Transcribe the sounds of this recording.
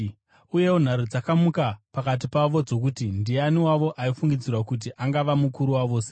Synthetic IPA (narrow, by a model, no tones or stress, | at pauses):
uje̞won̤aɾud͡zakamukapakat̬ipaʋo̞d͡zo̞k̬utindianiwaʋo̞ʔaifuŋɡid͡zirwakut̬iʔaŋɡaʋamukuɾuwaʋo̞ːse